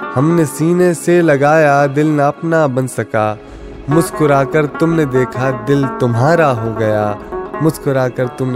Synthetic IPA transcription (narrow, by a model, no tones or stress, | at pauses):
hɐmnesiːneselɐɡaːjad̪ɪlnaɐpnabɐ̃nsɐkaː | mʊskʊɾaːkəɾt̪ʊmned̪eːkʰad̪ɪlt̪ʊmɦaːɾaɦoɡɐjaːmʊskʊɾaːkəɾt̪ʊmn